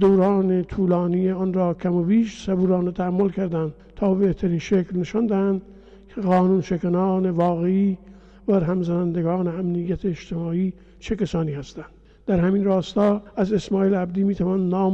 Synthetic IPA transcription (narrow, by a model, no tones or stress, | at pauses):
d̪owɾɑːnet̪ʰuːlɑːnijeɒnɾɒːkʲʰæmobiːʃsæbuːɾɒːnet̪ʰæhæmːolkʰæɾd̪ænd̪̥ | t̪ʰɒːbe̞ht̪ʰæɾiːnʃeklneʃɒnd̪æhænd̪ | kʰeɣɒːnuːnʃekænɑːnevɒːɣeiː | bæɾɦæmzænænd̪eɡɒːneæmnijːæt̪ʰeːʃt̪ʰemɒːiː | t͡ʃʰekæsɒːniːhæst̪ænd̪̥ | d̪æɾhæmiːnrɒːst̪ɒːæze̞smɒːiːlæbd̪iːmiːt̪ʰævɒːnnɒːm